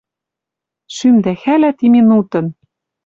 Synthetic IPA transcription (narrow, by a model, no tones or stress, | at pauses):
ʃymd̪æxælæt̪iminut̪ɤ̆n